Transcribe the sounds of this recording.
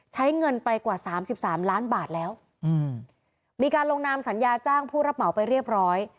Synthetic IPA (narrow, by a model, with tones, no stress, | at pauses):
t͡ɕʰa˦˥jŋɤ˧npa˧jkwaː˨˩saː˩˦msi˨˩p̚saː˩˦mlaː˦˥nbaː˨˩t̪̚lɛː˦˥w | ʔɯː˧˩ | miː˧kaː˧nloː˧ŋnaː˧msa˩˦njaː˧t͡ɕaː˥˩ŋpʰuː˥˩ɾa˦˥p̚ma˨˩˦wpa˧jɾi˥˩əp̚ɾɔː˦˥j